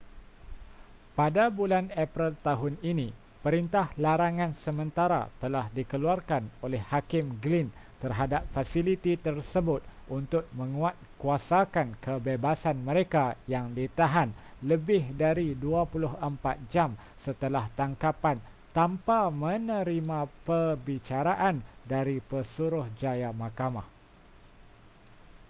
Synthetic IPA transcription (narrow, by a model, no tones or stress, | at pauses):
padabulanapɾilt̪aɦʊninĩ | pəɾint̪ahlaɾaŋãnsəmə̃nt̪aɾa̰t̪əlahdikəluarkanolɛhːakɪmɡlin | t̪ərɦadap̚fasilit̪it̪ərsəbʊt̪̚ʔunt̪ʊk̚mə̃ŋũat̪̚kuasakankəbebasanmə̃ɾekajaŋdit̪aɦanləbɪhdaɾiduapulʊɦəmpat̪̚d͡ʒam | sət̪əlaht̪aŋkapan | t̪ampamə̃nə̃ɾimãpərbit͡ʃaɾaʔandaɾipərsuɾʊhd͡ʒajamãkama̰h